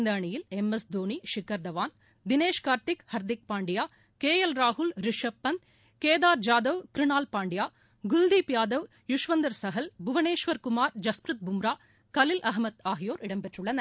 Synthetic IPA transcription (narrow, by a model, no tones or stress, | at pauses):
nd̪ɐɐɳɪjɪlɛmɐsd̪oːɳiʂɪkːɐɾd̪ɐʋaːn | d̪ɪneːʂkaːɾt̪ɪkhɐɾd̪ɪk̚paːɳɖɪjaː | keːjɐlɾaːɦʊlɾɪʂɐpːɐn | keːðaːɾd͡ʒaːd̪ɐʋkɾɪɳaːlpaːɳɖɪjaː | ɡʊld̪ipjaːd̪ɐʋ | jʊʂʋɐnd̪ɐɾsɐɦɐlbʱʊʋɐneːʂʋɐɾkʊmaːɾd͡ʒɐspɾɯt̪̚bʊmɾaː | kɐlɪlʔɐɦmɐt̪aːɦɪjoːɾʔɪɽɐmpɛʈrʊɭːɐnɐ